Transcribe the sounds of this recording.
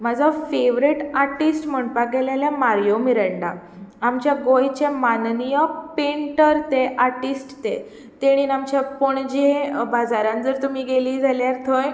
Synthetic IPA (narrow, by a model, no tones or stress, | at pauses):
mad͡zʱafeʋɾiʈaɾʈisʈm̤əɳpak̚ɡɛlaljamaɾjomiɾəɳɖa | amt͡ɕjaɡojt͡ɕemannijəpeɳʈəɾt̪eʔaɾʈisʈt̪e | t̪eɽ̃iːnamt͡ɕjapoɳd͡ʑẽbad͡zaɾãnd͡zəɾt̪um̤iːɡeliːd͡zaljaɾt̪ʰoj